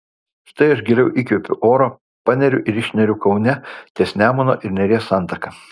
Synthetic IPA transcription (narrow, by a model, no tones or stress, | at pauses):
ʃt̪ɐɪɐʃɡʲɛɾʲɛʊʔiːkʲʊpʲʊʔoːɾoː | pɑnʲɛɾʲʊʔɪɾɪʃʲnʲɛɾʲʊkɒʊnʲɛt̪ʲiɛsʲnʲæːmono̰ːʔɪɾnʲɛɾʲeːsɑˑnt̪ɐkɐ